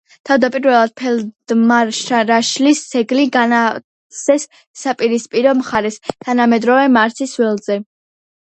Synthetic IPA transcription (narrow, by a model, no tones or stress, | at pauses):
t̪ʰavd̪apʼiɾvɛlˠad̪̥̚pʰɛld̪̥maʃaɾaʃlisʰɛɡliɡana | sʰɛsː | apʼiɾispʼiɾɔmχaɾɛst̪ʰanamɛd̪ɾɔvɛmaɾt̪sʰisvɛlˠzɛ